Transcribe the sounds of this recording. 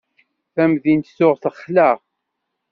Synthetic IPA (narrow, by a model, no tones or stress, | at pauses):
θæmðint̪sʊʁθəχːlæʁ